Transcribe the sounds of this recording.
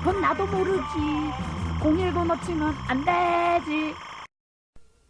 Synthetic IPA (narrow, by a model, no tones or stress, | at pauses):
kʌnːadomoɾɯd͡ʑi | koŋiɭɡonʌt͡ɕʰimjʌnanded͡ʑi